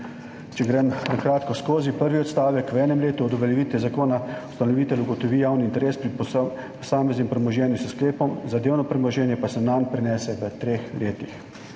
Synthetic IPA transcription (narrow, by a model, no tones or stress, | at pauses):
t͡ʃɛɡɾɛmnakɾaːt̪kɔskoːzipəɾʋiɔt̪st̪aːʋɛkʋɛːnɛmleːt̪uɔd̪ɔʋɛljɛʋiːt̪ʋɛzakoːnau̥st̪anɔʋiːt̪ɛluɡɔt̪ɔʋiːjawniint̪ɛɾeːspɾip | pɔsaːmɛznʲimpɾɛmɔʒjɛːnjusəskleːpɔmzad̪eːwnɔpɾɛmɔʒjɛːnjɛpasɛnanpɾɛnɛːsɛʋət̪ɾeːxlʔeːt̪ix